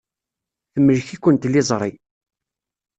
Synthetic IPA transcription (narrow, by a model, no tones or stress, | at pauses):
θəmːəlçikʷːənt̪lɪzˤɾˤi